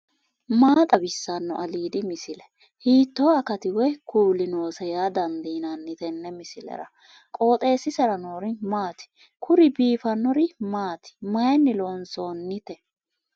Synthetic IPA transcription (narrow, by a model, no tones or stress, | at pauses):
maːt̪ʼɐbɪsːanːɔ̰ʔɐliːd̪ɪmɪsɪlɛ̥ | hiːt̪ːoːɐkɐt̪ɪwɛjkʰuːlɪno̞ːsɛjaːd̪ɐnd̪iːnanːɪt̪ɛnːɛmɪsɪlɛ̰ɾɐ̰ | kʼo̞ːt̪ʼe̞ːsːɪsɛɾɐnoːɾɪnmaːt̪ɪ̥ | kʰʊɾɪbiːfɐnːɔɾɪmaːt̪ɪ̥mɐjɐnːɪlo̞ːnso̞ːnːɪt̪ɛ